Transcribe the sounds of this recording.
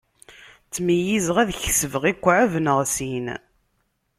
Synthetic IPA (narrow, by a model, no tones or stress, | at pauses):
t͡sːməjizʁæðçsəvəʁikʷːʕavənəʁsin